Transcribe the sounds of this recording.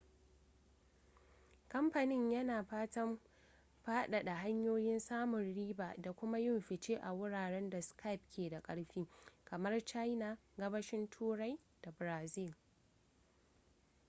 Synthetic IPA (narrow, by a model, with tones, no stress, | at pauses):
kɐ˦mɸa˨nɪ˦ɲjɐ˦naː˨ɸaː˦tɐ˦m | ɸaː˦ɗa˨ɗa˨ha˦ɲjoː˦jɪ˦nsaː˦mʊ˨nɽiː˦baː˨da˨kʷʊ˦ma˦jɪ˦˨mɸɪ˨t͡ʃeː˦ʔa˨wʊ˦ɽaː˨ɽɛ˦nda˨skʰa˦˨p̚kʲʰeː˨da˨kʼɐ˦ɽɸiː˦kɐ˨mɐ˦rt͡ʃa˦jna˨ɡɐ˦bɐ˦ʃɪ˦ntʰuː˦ɾa˦j | d̥a˨bɾaː˨zɪ˦˨l